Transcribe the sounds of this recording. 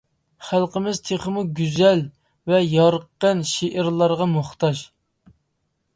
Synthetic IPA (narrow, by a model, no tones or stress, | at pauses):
χælˠqəmɪzt̪ʰeχəmuɡʲyzɛl | vɛjɑɾqːənʃeʔɪɾlˠɑɾʁɑmoχt̪ɑʃ